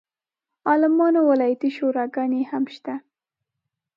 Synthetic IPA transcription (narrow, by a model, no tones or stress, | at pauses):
ɑlɪmɑnowɪlɑjat̪iʃoɾɑɡɑnehamʃt̪a